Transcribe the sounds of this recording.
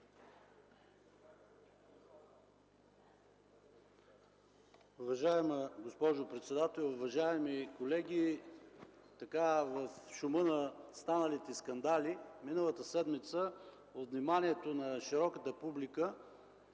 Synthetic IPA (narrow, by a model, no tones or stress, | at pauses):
ʊvɐʒaɛməɡospɔʒopɾɛt̪sɛd̪at̪ɛlˠʊvɐʒaɛmikolɛɡʲi | t̪ɐkavɐfʃumɤnɐst̪anəlit̪ɛskɐnd̪aliminəlˠət̪əsɛd̪mit̪sə | ot̪vnimanʲiɛt̪onɐʃiɾɔkət̪əpublikə